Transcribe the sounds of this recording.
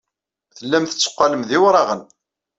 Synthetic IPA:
θəlːæmθə̥t͡sːə̥qːɑləmðiwɾˤɑʁən

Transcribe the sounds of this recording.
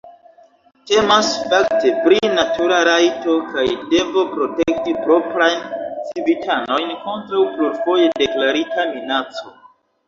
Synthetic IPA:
te̞masfaktepɾinatuɾaɾajto̞kajde̞bo̞pɾo̞te̞k̚tipɾo̞pɾajnt͡sibitʰano̞jnko̞ntɾawpluɾfo̞je̞de̞klaɾitaminat͡so̞

